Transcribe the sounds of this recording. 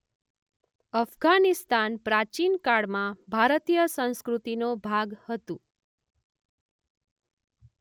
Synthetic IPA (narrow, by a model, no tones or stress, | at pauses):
əfɡanist̪anpɾat͡ʃinkaɽmãbʱaɾət̪ijəsə̃w̃skɾut̪inobʱaɡhət̪ũ